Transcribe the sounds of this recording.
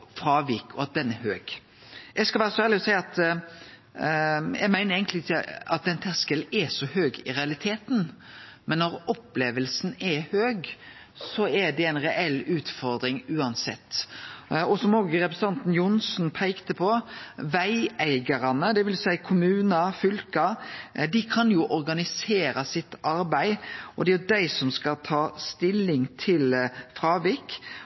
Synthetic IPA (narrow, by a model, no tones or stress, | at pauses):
fɾɑːʋiːkʰɔɑt̪̚d̪ɛnɛɦøːɡ̥ | jɛɪskɑlʋæːɾəsɔæːʁlɪɔsæɪɑt̪ | jɛ̰ɡmæɪnəɾeɪɡŋk̪t̪lɪɪkəɑt̪̚d̪ɛnt̪ʰæʁskəlɛsɔhøːɡɪʁɛɑlɪt̪ʰeːt̪n̩mɛnːɔɾɔpleːʋəlsnɛhøːɡ | sɔɛd̪ɛæɪnʁɛʔɛlʉːt̪fɔɾd̪ɾɪŋʉːɑnsɛt̪ː | ɔsɔmoːɡəɾɛpɾs̩ɑnt̪n̩jʊnsnpʰæɪkt̪əpʰɔʋæɪæɪɡɑɾɑnəd̪ɛʋɪljsæɪkʰʊmʉːnəfʏlkɑd̪ɪkʰɑnjʊʔɔɾɡɑnɪseːɾɑsɪt̪ːɑɾbæɪʔɔd̪ɛæjʊd̪æɪsɔmskɑt̪ʰɑːst̪ɪlːɪŋt̪ʰɪlfɾɑːʋik